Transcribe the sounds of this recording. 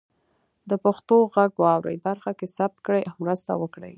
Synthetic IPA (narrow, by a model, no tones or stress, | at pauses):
d̪əpaxt̪oɣaɡwɑwɾə̰jbaɾxakesab̚t̪kɽəjʔawmɾəst̪a̰wəkɽə̰j